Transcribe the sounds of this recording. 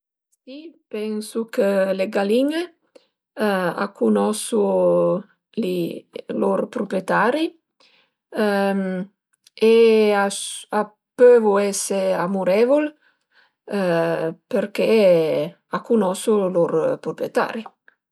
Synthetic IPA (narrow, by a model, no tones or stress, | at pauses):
sipɛnsukəleɡaliŋe | a̰kʰunɔsu | lilorpɾupiet̪aɾi | eaa | pøvuɛseamuɾɛvul | peɾke | akːunɔsuloɾpɾupɾjet̪a̰ɾi